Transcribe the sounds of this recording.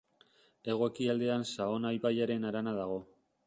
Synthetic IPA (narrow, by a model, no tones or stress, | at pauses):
e̞ɣ̞o̞kiald̪e̞ansao̞najpajaɾe̞naɾanaðaɣ̞o̞